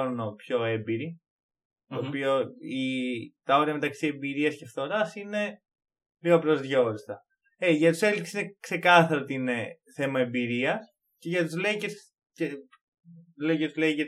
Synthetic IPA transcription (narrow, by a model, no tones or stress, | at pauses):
ɾnopço̞e̞mbiɾi | t̪oːpio̞it̪ɐo̞ɾiɐme̞t̪ɐksiembiɾiɐscefθo̞ɾɐsine̞ | liɣopɾozðʝo̞ɾist̪ɐ | eʝɐt̪u̥se̞lisesinekse̞kɐθɐɾot̪ine | θe̞mɐe̞mbiɾiɐs | ce̞ʝɐt̪uzle̞ices | ce | lecet̪uleiʝɐ